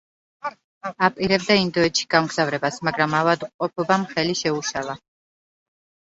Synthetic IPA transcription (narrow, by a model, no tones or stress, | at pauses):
apʼiɾɛbd̪aind̪ɔɛt̪ʃi̥ɡ̥amɡz̥avɾɛbasmaɡɾamavad̪uqʼɔpʰɔbamχɛliʃɛuʃalˠa